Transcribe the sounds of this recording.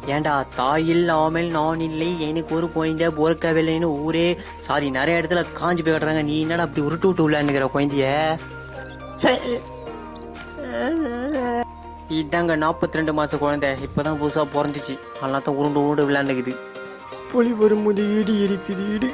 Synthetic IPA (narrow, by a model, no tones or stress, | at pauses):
eːɳɖat̪aːjɪlaːmɐlnaːnɪlːɐɛnɯkːɯɔɾɯkɔjɐnd̪ɐpɔɾɯkːɐʋɪlːɐjnɯuːɾeː | saːɾinɛɾɐjɐɪɽɐt̪ːɪlɐkaːɲd͡ʒipoːjkaːʈːɯɾaːŋɡɐniːɛnːaːɽɐp̬ːɐɽiʊɾɯʈːɯʈːɯɪɭːɐɾɪnːɯkːɪɾɐkɔɻɐnd̪ɪjɐ | sɐɾ | ɪd̪ːaːŋɡɐnaːpːɐt̪ːɪɾɛɳɖɯmaːsɐkɔɻɐnd̪ɐɪpːoːt̪ãːbusaːpɔɾɐnd̪ɯt͡ʃːɯ | ɐlːaːt̪ːãːʊɾɯɳɖɯʊɾɖɯʋɪɭːɐːnːɯkɪðɯ | pɔliʋɔɾɯmʊðɐjiɽɯɪɾɯkːɯðɯɪɽɯ